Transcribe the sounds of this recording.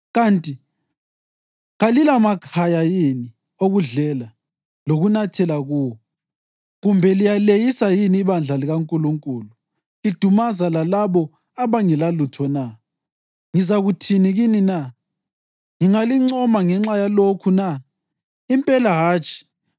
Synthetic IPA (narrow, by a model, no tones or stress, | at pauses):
ɣantʼi | ɣalilamakʰajajini | oɣuɮɛla | loɣunatʰɛlaɣuːwɔ | ɣumbʱɛlijalejisajiniːβand͡ɮʱaliɣaŋkʼuluŋkʼuːlu | lid̥ʱumazalalaβɔ | aβaŋɛlalutʰɔna | ŋizaɣutʰiniɣinina | ŋiŋaliŋ͡ǀɔmaŋɛŋ͡ǁajalokʰuna | impʼɛlaɦaːt͡ʃʼi̥